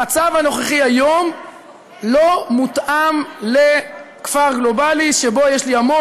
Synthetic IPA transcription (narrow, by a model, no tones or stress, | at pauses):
at͡savhano̞χeχiajo̞m | lo̞mutʔamle | kfaʁɡlo̞baliʃebo̞jeʃliamo